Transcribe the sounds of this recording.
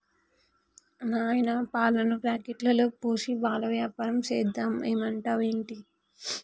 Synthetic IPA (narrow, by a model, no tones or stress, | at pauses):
naːjnɐpaːlɐnɐpɾaːkeʈlɐloːpoːʃibaːlɐʋjaːpaːɾɐmt͡ʃeːd̪ːameːmɐɳʈaːʋeːɳʈi